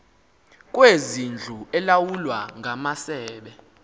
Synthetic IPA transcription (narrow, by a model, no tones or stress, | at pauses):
k̬ʼwezind͡ɮʱuɛlawulwaŋʱamasɛːɓɛ